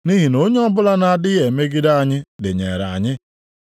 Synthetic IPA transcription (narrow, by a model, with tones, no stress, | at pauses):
ni˦ɦi˨no˦ɲe˦ɔ˦bʊ˦la˦na˨a˨dɪ˦e˨me˦ɡɪ˦da˦a˨ɲɪ˦dɪ̰˨ɲḛ˨ɾa̰˨ɲɪ˦